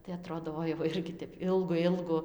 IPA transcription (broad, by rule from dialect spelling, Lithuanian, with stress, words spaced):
tɐɪ ɐˈtroːdoː ˈoːɪ ʋɐ ˈɪrʲɡʲɪ ˈtʲɛp ˈɪlˠɡʊ ˈɪlˠɡʊ